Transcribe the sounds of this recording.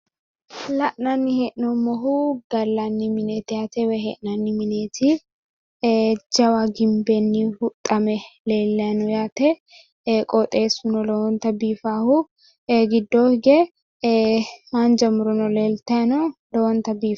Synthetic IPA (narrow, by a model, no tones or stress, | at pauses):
lɐʔnɐnːɪheʔnɔmɔɦʊɡɐlːɐnːɪmɪneːt̪ɪjaːt̪ɛwɛɦɛʔnɐnːɪmɪneːt̪ʰɪ | d͡ʒɐwaɡɪmbɛnːɪhʊt̪ʼːɐmɛleːlːɐjnɔjaːt̪ɛ | kʼɔt̪ʼe̞ːsʊnɔlɔwɔnt̪ɐbiːfaːhʊ | ɡɪd̪ːoːhɡɛ | mand͡ʒɐmʊɾɔnɔleːlt̪ɐjɐnɔlɔwɔnt̪ɐbiːf